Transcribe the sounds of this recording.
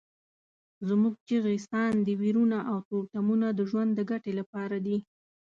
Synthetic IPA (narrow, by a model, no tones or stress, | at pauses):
zmuɡ̚t͡ʃiɣist̪ɑnd̪əwiɾunaʔawt̪ot̪amunad̪əʒwand̪ːəɡaʈelapɑɾad̪i